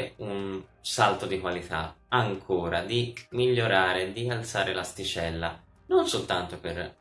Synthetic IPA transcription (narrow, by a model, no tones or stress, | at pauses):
unsalt̪od̪ikwalit̪a̰aŋkʰoːɾad̪imiʎːoɾaːɾed̪ialt̪saːɾelast̪it͡ʃɛlːa̰ | nonsolt̪ant̪oper